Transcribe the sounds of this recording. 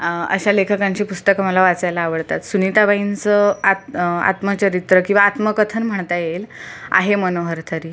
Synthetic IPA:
ə̰ɕalekʰəkaɲt͡ɕiːpust̪əkamalaʋat͡sajlaːʋəɽt̪at̪sunit̪abaint͡səaa̰t̪mət͡ɕəɾit̪ɾəkĩw̃ʋaːt̪məkət̪ʰənm̤əɳt̪ajela̰ɦemənoɦəɾt̪ʰəɾiː

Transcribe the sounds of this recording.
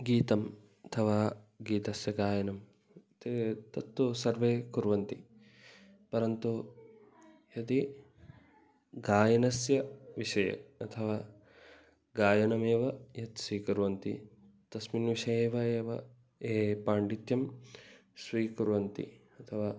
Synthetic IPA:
ɡiːt̪ɐm | ɐt̪ʰɐʋaːɡiːt̪ɐsjɐɡaːjɐnɐm | t̪et̪ɐt̪ːusɐɾʋeːkuɾʋɐnt̪i | pɐɾɐnt̪u | jɐt̪i | ɡaːjɐnɐsjɐʋiʃɐjɐ̰ɐt̪ʰɐʋaː | ɡaːjɐnɐmeːʋɐjɐt̪siːkuɾʋɐnt̪ḭ | t̪ɐsminʋiʃɐjeːʋɐeːʋɐ | eːpaːɳɖit̪jɐm | sʋiːkuɾʋɐnt̪ḭ | ɐt̪ʰɐʋaː

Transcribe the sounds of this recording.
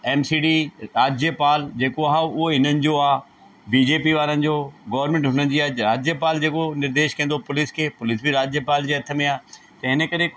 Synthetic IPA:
ɛːmsiːɖiːɾaːd͡ʑjəpaːld͡ʑeːkoaːɦʊɦoɦɪnənɪ̆d͡ʑoaː | biːd͡ʑeːpiʋaːɾənɪ̆d͡ʑoːɡɔːʋɾmẽːɳʈɦʊnənɪ̆d͡ʑiaːɾaːd͡ʑjəpaːld͡ʑeːkonɪɾd̪eːʃkɐ̃ːnd̪opʊlɪskʰeːpʊlɪsbʱiɾaːd͡ʑjəpaːld͡ʑeːɐt̪ʰə̆mẽaː | t̪ɐɦɪnəkɐɾe

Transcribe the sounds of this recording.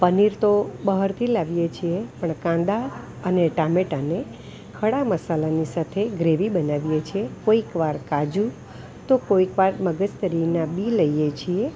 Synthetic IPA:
pəniɾt̪obəɦəɾt̪ʰilaʋijet͡ʃʰiepəɳkãnd̪a | əneʈameʈane | kʰəɽaməsalanisat̪ʰeɡɾeʋibənaʋijet͡ʃʰiekoikʋaɾkad͡ʒu | t̪okoikʋaɾməɡəd͡ʒt̪əɾinabiləijet͡ʃʰie

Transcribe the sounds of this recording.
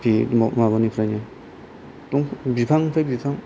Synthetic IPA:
pʰimaɡɔnipʰɾana | tuŋbipʰaŋpʰajbipʰaŋ

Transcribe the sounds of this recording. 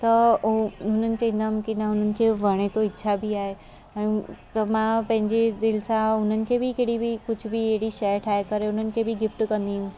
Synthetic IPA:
t̪ɐ | ɦʊn̤ənɪ̆t͡ɕɐ̃ɦĩːnd̪aːɦũkinaʊn̤ənɪ̆kʰeːʋɐɽ̃et̪oɪtːʃʰabɪaːɦe | ɛ̃ːt̪ɐmãpɐ̃ɦɪ̃ɲd͡ʑed̪ɪlsãʊn̤ənɪ̆kʰeːbɪkeɦɽibikʊd͡ʑʱbieɦɪɽiʃɐɾʈʰaːekɐɾeʊnənɪ̆kʰebɪɡɪfʈkɐ̃nd̪iɦũ

